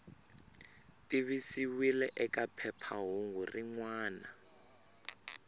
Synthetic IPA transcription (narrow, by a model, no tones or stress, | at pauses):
tʼiβisiwilɛʔɛkʼapʰɛpʰaɦuŋɡuriŋwaːna